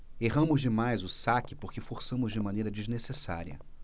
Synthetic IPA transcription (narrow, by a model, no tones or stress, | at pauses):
eɦɐ̃mʊzd͡ʒɪmajzʊsakɪpoɾkɪfoɾsɐ̃mʊzd͡ʒɪmɐ̃nejɾɐd͡ʒiznesesa̰ɾiɐ̰